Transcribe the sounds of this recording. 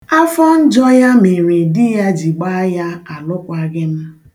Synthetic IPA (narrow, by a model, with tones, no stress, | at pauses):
a˦fɔ˦n̩˦d͡ʒɔ˦ja˦me˨ɾe˨dɪ˦ja˦d͡ʒi˨ɡ͡ba˦ja˦a˨lʊ˦kʷa˦ɡɪ˦m̩˦